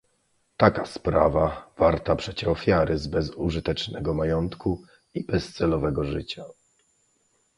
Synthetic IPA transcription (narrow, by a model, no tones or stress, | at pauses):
t̪akaspɾavav̥aɾt̪apʂɛt͡ɕɛɔfʲjaɾɘzbɛzuʐɨt̪ɛt͡ʂnɛɡɔmajɔnt̪ku | ibɛst̪sɛlɔvɛɡɔʐɘt͡ɕa